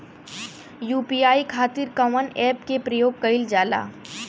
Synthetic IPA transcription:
juːpiːaːikʰaːt̪ɪɾkɐʋənɛːpkepɾɐjoːɡ̚kɐɪld͡ʒaːla̰ː

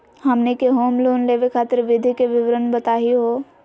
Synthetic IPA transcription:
hɐmnekeɦoːmloːnleːʋekʰaːt̪əɾʋɪd̪ʱikeʋɪʋɾənbɐt̪aːɦiɦoː

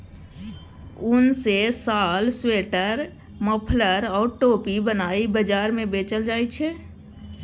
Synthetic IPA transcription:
unsesalsweʈəɾ | məpʰləɾɔːɾʈopibənaibəd͡ʒaɾmẽbet͡ʃəld͡ʒaːjt͡ʃʰɛ

